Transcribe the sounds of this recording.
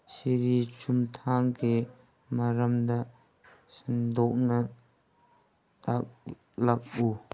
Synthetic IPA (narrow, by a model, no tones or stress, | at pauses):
siɾit͡ʃumt̪ʰaŋki | mɐɾɐmd̪aʔ | sind̪ɔk̚nɐ | tak̚ | lɐk̚u